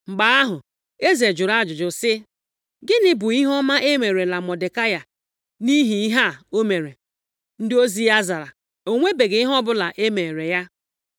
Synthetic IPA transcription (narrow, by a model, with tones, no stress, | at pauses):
ŋ͡m̩˨ɡ͡ba˨˦a˦ɦʊ˨ | e˦ze˨d͡ʒʊ˨ɾa˦˨d͡ʒʊ˨d͡ʒʊ˨sɪ˦ | ɡɪ˦nɪ˦bʊ˨i˦ɦɔ˦ma˦ʔe˦me˨ɾe˨la˨mɔ˨de˨ka˦ja˨ | ni˦ɦi˨i˦ɦa˦˨o˦me˨ɾe˨ | n̩˦dɪ˦o˦zi˦ja˦za˨ɾa˨ | o˨ŋʷe˦be˨ɡe˨i˦ɦɔ˦bʊ˦la˨ʔe˦me˨ɾe˨ja˦